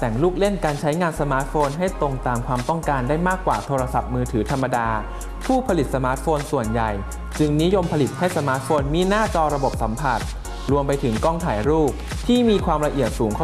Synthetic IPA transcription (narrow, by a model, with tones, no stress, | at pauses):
t̪ɛ˨˩ŋluː˥˩k̚le˥˩nkaː˧nt͡ɕʰa˦˥jŋaː˧nsa˧maː˦˥t̪̚foː˧nɦa˥˩jt̪o˧ŋt̪aː˧mkʰwaː˧mt̪ɔ˥˩ŋkaː˧ndaː˥˩jmaː˥˩kːwaː˨˩t̪ʰoː˧ɾa˧sa˨˩p̚mɯː˧t̪ʰɯː˩˦t̪ʰa˧mːa˧daː˧ | pʰuː˥˩pʰa˧li˨t̪̚sa˧maː˦˥t̪̚foː˧nsu˨˩ənja˨˩j | t͡ɕɯ˧ŋni˦˥jo˧mpʰa˧li˨˩t̪̚ha˥˩jsa˧maː˦˥t̪̚foː˧nmiː˧naː˥˩t͡ɕɔː˧ɾa˧bo˨˩p̚sa˩˦mpʰa˨˩t̪̚ | ɾu˧əmpa˧jt̪ʰɯ˩˦ŋkɔ˥˩ŋt̪ʰaː˨˩˦jɾuː˥˩p̚ | t̪ʰiː˥˩miː˧kʰwaː˧mɾa˧ʔi˨˩ət̪̚suː˩˦ŋkʰ